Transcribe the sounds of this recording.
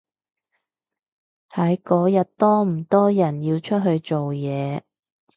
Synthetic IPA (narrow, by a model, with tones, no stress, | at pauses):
hɐ˨˥jkɔː˨˥jɐ˨t̚t̪ɔː˥m̩˨˩t̪ɔː˥jɐ˨˩njiː˧wt͡ʃʰɵ˥t̚ɦɵ˧ɥt͡ʃo˨wjɛː˨˧